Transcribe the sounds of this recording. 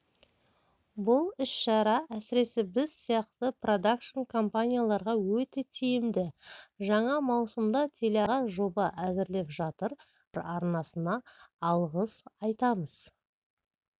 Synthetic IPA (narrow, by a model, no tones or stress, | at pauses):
bʊlˠɪʃʃɑɾɑæsɪɾe̞sɪbɪzsijɑqt̪əpro̞d̪akʃonkʰo̞mpanʲijalˠɑɾʁɑwɵt̪e̞t̪ʰejɪmd̪ɪʒɑɴɑmɑwsəmd̪ɑt̪ʰe̞leɑʁɑʒo̞bɑʔæzɪɾle̞pʒɑt̪əɾ | ɾɑɾnɑsənɑːlˠʁəzɑjt̪ɑməz̥